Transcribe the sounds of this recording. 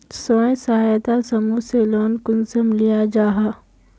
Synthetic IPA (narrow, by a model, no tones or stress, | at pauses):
sõːsɐɦajt̪asɐmuseloːnkʊnsəmlijad͡ʒaːɦaː